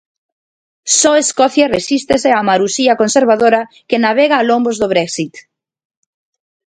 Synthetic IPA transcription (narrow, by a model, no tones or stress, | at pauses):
sɔeskɔθjaresist̪eseamaɾusiakonseɾβ̞að̞oɾa | kenaβ̞eɣaːlõmbozðoβ̞ɾɛksit̪